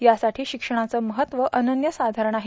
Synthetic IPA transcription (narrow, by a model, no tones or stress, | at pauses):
jasaʈʰiːɕikʂəɳ̃at͡səːməɦət̪ʋəʔənənjəsad̪ʱaɾəɳaɦe